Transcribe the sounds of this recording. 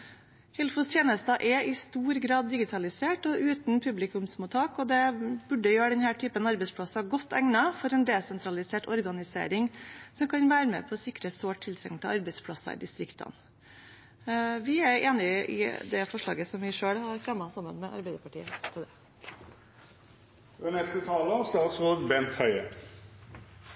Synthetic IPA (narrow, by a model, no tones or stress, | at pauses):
hɪlfʊst̪ʰjeːnəst̪ɑʔɛɪst̪uːɾɡɾɑːd̪ːɪɡɪt̪ʰɑlɪseːʈɔʔʉːt̪npʰʉblɪkʉmsmuːt̪ʰɑːkɔd̪ɛbʉɖəjøːɾəɖɛnhæːʈʰyːpənɑɾbɛɪspʰɽɑsɑɡɔt̪ʰːæŋnɑfɔɾɛːnd̪eːsɛnt̪ʰɾɑlɪseːʈɔ̰ɾɡɑnɪsḛːɾɪŋsɔmkʰɑnʋæːɾəmɛ̰pʰɔsɪkɾəsoːʈʰːɪlt̪ɾɛ̰ŋt̪ʰɪɑɾbɛspʰɽɑsɑ̰d̪ɪst̪ɾɪkt̪ʰɑ̰n | ʋɪæɾeːnɪɪ̰d̪ɛfɔʂɭɑ̰ːɡəsɔmʋɪʂøːɽhɑɾfɾɛmːɑsɑmːə̰nmɛʔɑ̰ɾbɛɪd̪əpɑʈḭːət̪ʰɑd̪ɛ | ɛnɛst̪ət̪ʰɑːləslɑlsɔbɛnt̪hœʏə̰